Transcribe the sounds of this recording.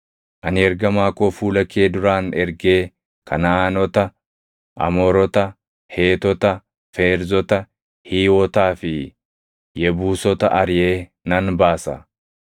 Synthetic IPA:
ʔɐnɪɛɾɡɐmaːkʼoːfuːlɐkeːd̪ʊɾaːnɛɾɡe̞ː | kʰɐnaːnɔt̪ɐ | ʔɐ̰mɔːɾɔt̪ɐ | heːt̪ɔt̪ɐ | feːɾzɔt̪ɐ | hiːwɔt̪aːfɪ | jɛbuːsɔt̪ɐʔɐɾjeː | nɐnbaːsɐ̰

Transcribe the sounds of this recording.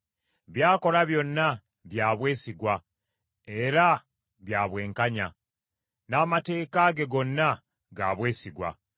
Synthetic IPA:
βjaːko̞laβjo̞nːa | βjaːβwe̞ːsiɡwa | e̞ɾa | βjaːβwe̞ːŋkaɲa | naːmate̞ːkaɡe̞ɡo̞nːa | ɡa̰ːβwe̞ːsiɡwa̰

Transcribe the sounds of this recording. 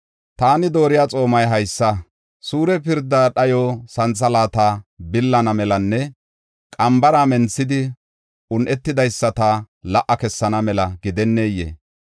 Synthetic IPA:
t̪aːnɪd̪o̞ːɾɪjaːt͡sʼo̞ːmɐjɦɐjsːɐ | suːɾɛpɪɾd̪ːaːɗɐjɔsɐnt͡sːɐlaːt̪aːbɪlːɐnɐmɛlɐnːɛ | kʼɐmbɐɾaːmɛnt͡sːɪd̪ɪ | ʔʊnʔɛt̪ːɪd̪ɐjsːɐt̪a | lɐʔːɐkɛsːɐnɐmɛlɐɡɪd̪ɛnːeːjːḛː

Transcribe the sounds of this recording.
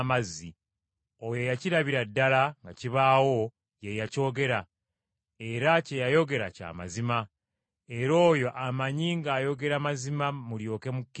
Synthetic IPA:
mazːi | ojo̞jaciɾaβiɾadːalaŋɡaciβaːwo̞ | jejaco̞ːɡe̞ɾa | e̞ɾacejajo̞ɡe̞ɾa̰ca̰ːma̰zima | e̞ɾo̞ːjo̞ʔamaɲiŋɡaːjo̞ɡe̞ɾamazimamuljo̞ːke̞mukː

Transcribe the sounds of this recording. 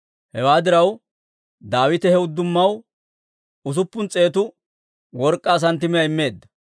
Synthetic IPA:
hɛwaːd̪ɪɾɐw | d̪aːwɪt̪ɛhɛʊd̪ːʊmːɐw | ʊs̬ʊpːʊnt͡sʼe̞ːt̪ʊ | wɔɾkʼːaːs̬ɐnt̪ɪmɪjɐɪmːe̞ːd̪ːɐ

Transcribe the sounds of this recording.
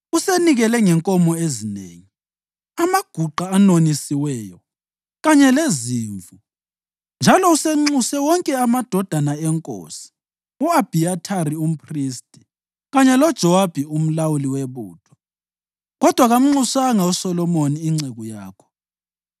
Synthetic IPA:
useniɣɛlɛŋɛŋkʼɔmɔezinḛːŋi | amaɡ̥ʱuǃaːnonisiwɛːjɔ | ɣaɲɛleziːɱvu | nd͡ʒʱalɔuseŋ͡ǀusɛwɔŋkʼɛamad̥ʱɔd̥ʱanaɛŋkʼo̰ːsi̥ | uab̥ʱiatʰaɾium̩pʰʼristʼi̥ | ɣaɲɛlɔd̥ʒ̥ʱɔwab̥ʱium̩lawuliweβṵːtʰwa | ɣɔd̥ʱwaɣam̩ŋ͡ǀusaŋausɔlɔmoniːŋ͡ǀeɣuja̰ːkʰɔ̥

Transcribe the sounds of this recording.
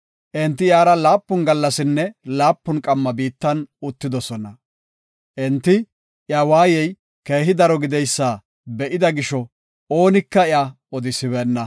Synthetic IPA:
ʔɛnt̪ːɪjaːɾɐlaːpːʊnɡɐlːɐsɪnːɛlaːpːʊnkʼɐmːɐbiːt̪ːɐnʊt̪ːɪd̪ɔsɔnɐ | ʔɛnt̪ːɪ | jaːwaːjɛj | keːɦɪd̪ɐɾɔɡɪd̪ɛjsːaː | bɛʔɪd̪ɐɡɪʃɔ | o̞ːnɪkːɐɪa | ɔd̪ɪsɪβɛːnːɐ

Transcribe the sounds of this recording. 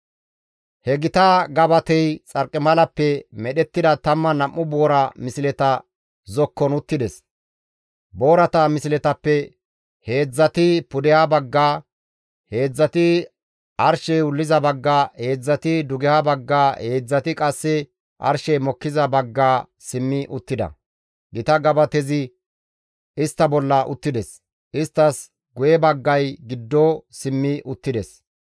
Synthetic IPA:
hɛɡɪt̪aːɡɐbɐt̪ɛjt͡sʼɐɾkʼːɪmɐlɐpːɛmɛɗɛt̪ːɪd̪ɐt̪ɐmːɐnɐmːʊboːɾɐmɪsɪlɛt̪ɐ | zɔkːɔnʊt̪ːɪd̪ɛs | boːɾɐt̪ɐmɪsɪlɛt̪ɐpːɛ | he̞ːd͡zːɐt̪ɪpʊd̪ɛhabɐɡːaː | he̞ːd͡zːɐt̪ɪ | ɐɾʃɛjʊlːɪzɐbɐɡːaːheːd͡zːɐt̪ɪd̪ʊɡɛhabɐɡːaːhe̞ːd͡zːɐt̪ɪkʼɐsːɛ | ʔɐ̰ɾʃɛjmɔkːɪzɐbɐɡːaː | sɪmːɪʔʊt̪ːɪd̪ɐ̰ | ɡɪt̪ɐɡɐbɐt̪ɛzɪ | ɪst̪ːɐbɔlːɐʔʊ̰t̪ːɪd̪ɛs | ɪst̪ːɐs | ɡʊjɛbɐɡːɐjɡɪd̪ːoːsɪmːɪʔʊt̪ːɪd̪ɛs

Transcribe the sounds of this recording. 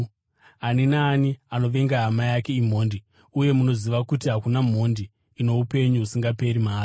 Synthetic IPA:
aninaːniano̞ʋe̞ŋɡaɦamajake̞im̤o̞ːndi | uje̞muno̞ziʋakutiɦakunam̤o̞ndiː | no̞upe̞ɲuɦusiŋɡape̞ɾimaːri

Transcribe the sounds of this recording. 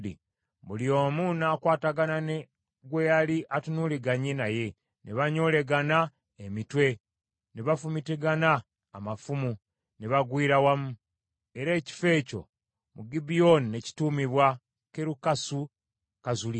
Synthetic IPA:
dḭ | βulio̞ːmunaːkwaːtaɡanane | ɡwejaliʔatunuliɡaɲenaje̞ | neβaɲo̞le̞ɡana | emitwe̞ | neβafumiteɡanaː | mafumu | neβaɡwiːɾawamu | e̞ɾe̞ːci̥fe̞ːco̞̰ | muɡibionineci̥tuːmiβwa | keɾukasu | kazuli

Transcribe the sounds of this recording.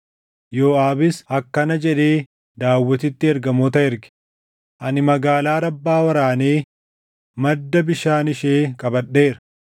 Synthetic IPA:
joːaːbɪsɐkːɐnɐd͡ʒɛᶑeː | d̪aːwːɔt̪ɪt̪ːɪɛɾɡɐmoːt̪ɐɛɾɡɪ̥ | ʔɐnɪmɐɡaːlaːɾɐbːaːwɐɾaːneː | mɐd̪ːɐbɪʃaːnɪʃeːkʼɐbɐɗːe̞ːɾɐ̥

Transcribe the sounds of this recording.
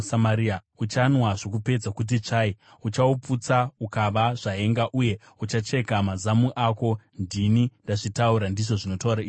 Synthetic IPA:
samaɾia | ut͡ʃanwaʐo̞kupe̞d͡zakut̬it͡ʂai | ut͡ʃauput͡saukaʋaʐ̥ae̞ŋɡaʔuje̞ | ut͡ʃat͡ʃe̞kamazamuʔako̞ndinindaʐitauɾandiʐo̞ʐino̞tauɾaiːi

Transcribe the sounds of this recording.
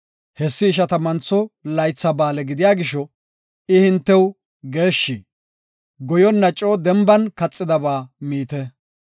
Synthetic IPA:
hɛsːɪːʃ̬ɐt̪ɐmɐnt͡sːɔlɐjt͡sːɐbaːlɛɡɪd̪ɪjaːɡɪʃɔ | ɪhɪnt̪ːɛw | ɡe̞ːʃːi | ɡɔjɔnːɐt͡ʃʼːoːd̪ɛmbɐnkɐt͡sʼːɪd̪ɐbaːmiːt̪ɛ

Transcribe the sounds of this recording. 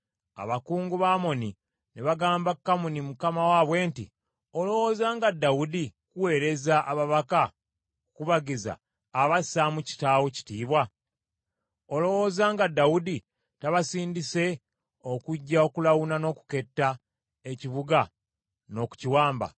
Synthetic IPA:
a̰βakuːŋɡuβaːmo̞ni | neβaɡaːmbakːamunimukamawaːβwe̞ːntḭ | o̞lo̞wo̞zaːŋɡadːawudikuwe̞ːɾe̞zaʔaβaβaka | ukuβaɡiza̰ː | βasamuci̥taːwoci̥tiːβwa | olo̞wo̞zaːŋɡadːawudi | taβasiːndise̞ | okuɟːaokulawunano̞ːku̥ke̞tːa | e̞ciβuɡa | no̞ku̥ciwaːmba̰

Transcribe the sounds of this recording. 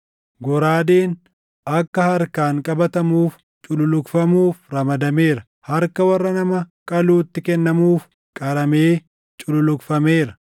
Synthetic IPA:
ɡɔɾaːd̪eːn | ɐkːɐhɐɾkaːŋkʼɐbɐt̪ɐmuːf | t͡ʃʼʊlʊlʊkfɐmuːfɾɐmɐd̪ɐme̞ːɾɐ | hɐɾkɐwɐrːɐnɐmɐkʼɐluːt̪ːɪkɛnːɐmuːf | kʼɐɾɐme̞ː | t͡ʃʼʊlʊlʊkfɐme̞ːɾɐ

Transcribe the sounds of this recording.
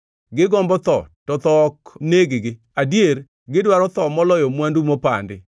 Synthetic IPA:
ɡɪɡɔmbɔt̪ɔ̰tɔt̪ɔkneɡɪɡɪ | adjeɾ | ɡɪdwaɾɔt̪ɔmɔlɔjɔmwandumopa̰ndɪ̰

